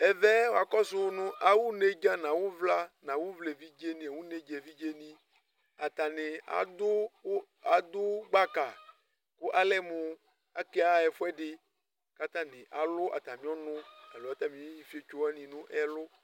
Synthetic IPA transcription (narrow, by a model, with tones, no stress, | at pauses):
ɛ˨vɛ˦wo˨a˨kɔ˦se˦wo˦nũ˦ʔa˨wu˦ne˦d͡ʒã˦nã˨wo˦vla˦nã˨wu˦vle˨vi˦d͡ʒe˦nĩ˨a˨wu˦ne˦d͡ʒe˨vi˦d͡ʒe˦nĩ˦ | a˨t̪a˨ne˨a̰˨d̪ʊ˦ | a˨d̪ʊ˦ɡ͡ba˦ka˨ | ko˦ʔa˨lɛ˦mũ˨ | a˨ke˦a˦ɛ˨fo˦ɛ˦ɖɪ˨ | ka˦t̪ã˦nẽ˨ʔa˨lʊ˦ʔa̰˨t̪ã˨mĩ˦ɔ˦nʊ̃˦a˨lo˨a˦t̪ã˦mĩ˦ji˦fi˦e˦t͡ʃo˦wɛ˦nĩ˨nũ˦ʔɛ˦lʊ˦